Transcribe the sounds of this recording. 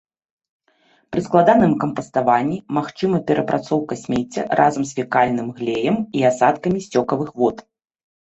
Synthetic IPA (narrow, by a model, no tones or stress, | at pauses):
pɾɨsklˠad̪anɨmkɐmpɐst̪avanʲːimaxt͡ʂɨmɐpʲɛɾʔɐpɾʔat̪sɔwkɐsʲmʲet͡sʲːɐ̰ɾʔa̰zɐmsfʲikalʲnɨmɣlʲejɐmiasat̪kɐmʲisʲt͡sʲɔkɐvɨxvɔt̪